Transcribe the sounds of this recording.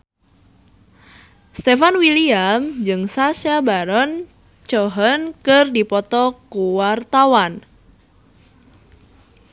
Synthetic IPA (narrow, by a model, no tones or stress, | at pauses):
st̪efanwiliamd͡ʒɨŋsasjabaɾɔn | t͡ʃɔɦənkɨrdipɔt̪ɔkuwart̪awan